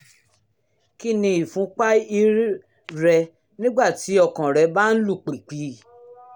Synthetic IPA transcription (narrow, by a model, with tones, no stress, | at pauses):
ki˦nĩ˧i˨fũ˨˦k͡pa˦i˧ɾ | ɾɛ˧ | nĩ˦ɡ͡ba˦˨ti˨˦ɔ˧kã˨ɾɛ˨˧˦ba˦n̩˦lu˦˨k͡pe˨k͡pi˨˧˦